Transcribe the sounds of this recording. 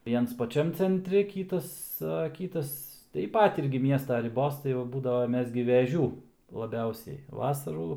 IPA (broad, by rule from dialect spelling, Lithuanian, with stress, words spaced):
ˈʋʲiɛns pɐˈt͡ʃʲɛm t͡sʲɛnʲˈtʲrʲɪ ˈkʲiːtɐs ɐ ˈkʲiːtɐs tɐɪp ˈpɐt ˈɪrʲɡʲɪ ˈmʲiɛstɐ rʲɪˈboːs ˈtɐɪ ʋɐ ˈbuːdɐʋoː ˈmʲɛs ɡʲɪ ʋʲɛˈʒʲuː lˠɐˈbʲɛʊsʲɛɪ ˈʋɑːsɐruː